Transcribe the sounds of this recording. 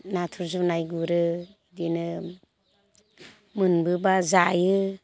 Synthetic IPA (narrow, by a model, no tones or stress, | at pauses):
natʰuɾzunajɡuɾɯ | dinɯ | mɯnbɯbazajɯ